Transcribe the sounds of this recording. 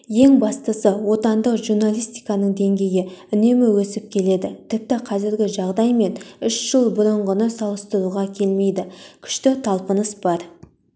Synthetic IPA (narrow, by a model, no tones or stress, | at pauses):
je̞ŋbɑst̪əsəwo̞t̪ɑnd̪əqʒurnalʲijst̪ijkɑnəɴd̪e̞ŋɡʲe̞jɪʏne̞mɪwɵsɪp̚kʲʰe̞le̞d̪ɪt̪ʰɪp̚t̪ɪqʰɑzɪɾɡʲɪʒɑʁd̪ɑjme̞nʏʃʒ̥əlˠbʊɾəɴʁənəsɑlˠəst̪əɾuʁɑkʲʰe̞lme̞jd̪ɪkʲʰʏ̥ʃt̪ɪt̪ʰɑlˠpənəsbɑɾ